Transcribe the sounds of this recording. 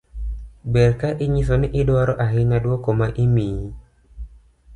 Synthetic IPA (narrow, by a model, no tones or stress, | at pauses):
bɛrkaʔiɲisɔniʔidoaɾoʔaɦinadwokɔmaʔimi